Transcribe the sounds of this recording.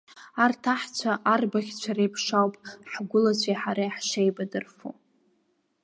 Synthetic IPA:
artʰaħt͡ɕʷʰaʔarbaχʲt͡ɕʷʰaɾejpʰʂawpʼħɡʷʊlat͡ɕʷʰajħaɾajħʃejbadɨrfṵ

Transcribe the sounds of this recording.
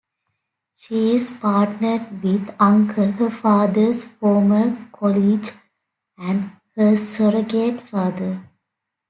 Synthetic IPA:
ʃiːɪzpaːʈnəɖʋɪd̪ãŋkʰəlhəfaːd̪əɾsfɔːməkʰɔlid͡ʒ | æ̃ɳɖ | həsəɾəɡeʈfaːd̪ə

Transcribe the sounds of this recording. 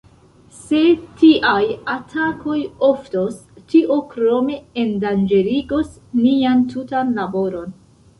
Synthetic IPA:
se̞tiʔajatʰakʰo̞jo̞ftostiʔo̞kɾo̞me̞endand͡ʒe̞ɾiɡo̞s | niantʰutanlabo̞ɾo̞n

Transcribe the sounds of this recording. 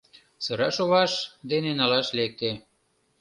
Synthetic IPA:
sɤɾɑʃoβɑʃd̪enenɑlɑʃlek̚t̪e

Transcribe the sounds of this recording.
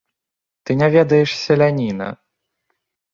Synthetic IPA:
t̪ɨnʲavʲɛd̪ɐjɛʂsʲɛlʲanʲinɐ̰

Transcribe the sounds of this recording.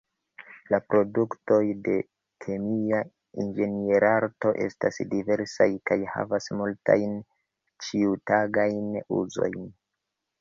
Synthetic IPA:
lapɾo̞dukto̞jde̞ | kʰe̞mia | ind͡ʒe̞nie̞ɾaɾto̞ʔe̞̰stasdive̞ɾsajkajha̰vasmulta̰jn | t͡ʃiutaɡajnṵzo̞̰jn

